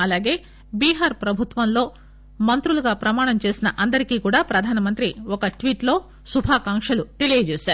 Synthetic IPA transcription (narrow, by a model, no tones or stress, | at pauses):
ɐlaːɡe̞ː | biːɦaːɾpɾɐbʱut̪ʋɐnlo̞ː | mɐnt̪ɾuluɡaːpɾɐmaːɳɐmt͡ʃe̞ːsinɐʔɐnd̪ɐɾikiːkuːɽaːpɾɐd̪ʱaːnɐmɐnt̪ɾiɔkɐʈʋiːʈlo̞ː | subʱaːkaːŋkʂɐlut̪e̞lijɐt͡ʃeːsaːɾu